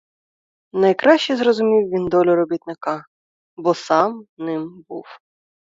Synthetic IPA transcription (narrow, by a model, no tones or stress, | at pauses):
nɐjkɾɑʃt͡ʃɛzɾɔzʊmʲiwʋʲind̪ɔlʲʊɾɔbʲit̪nɪkɑ | bɔsɑmnɪmbuw